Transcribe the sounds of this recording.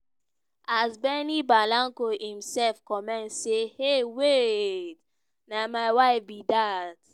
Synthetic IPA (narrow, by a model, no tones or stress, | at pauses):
ʔazbɛnibalãŋkohĩmsɛlfkɔmɛ̃ntsehewet | namaɪwaɪfbidat